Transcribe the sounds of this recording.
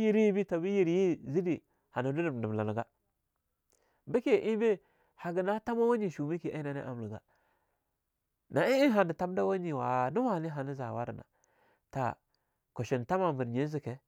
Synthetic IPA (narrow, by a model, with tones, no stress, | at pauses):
ji˦ɾji˦bi˦ta˨bi˦ji˦ɾji˦zi˦di˨ | ha˨na˨du˦du˨m˨nə˨m˨la˨na˨ɡa˦ | bi˦ke˦˨ʔi˦be˦ | ha˨ɡə˨na˦ta˦ma˦wa˦ɲi˦˨ʃu˨mi˦ki˨ʔa˦na˦nḭ˦ʔa̰˨m˨lu˨ɡa̰˨ | na˨i˦i˦nɦa˨ni˨ta˦m˦da˦wa˦ɲi˨wa˨nu˦wa˦˨ni˦ɦa˨ni˦za˨wa˦ɾə˨na̰˨ | ta̰˨ | ko˨ʃi˨nta˦ma˨mbə˨ɾɲe˦zi˨ke˨